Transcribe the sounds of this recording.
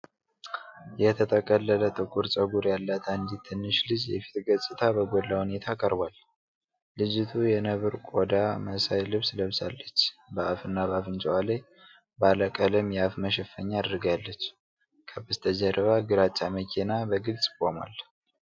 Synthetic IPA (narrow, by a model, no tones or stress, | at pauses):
jɛt̪ʰət̪ʰəkʼəlːələt̪ʼɨkʼuɾt͡ʃʼəɡuɾjalːat̪ʰand̪it̪ʰːɨnːɨʃlɨd͡ʒjɛfi̥t̪ɡət͡sʼːɨt̪ʰabəɡolːahune̞t̪ʰakʼəɾbwalː | ɨd͡ʒɪt̪ʰujɛnəβɨɾkʼod̪aməsajlɨβsləβsa̰lːət͡ʃːbəʔafɨnːaβafɨnt͡ʃʼwale | baləkʼələmjɛafməʃɛfəɲːaad̪ɾɨɡalːət͡ʃː | kʰəbɨst̪ʰəd͡ʒəɾəβaɡɨɾat͡ʃʼːaməkʰenabəɡɨlt͡sʼkʼoma̰l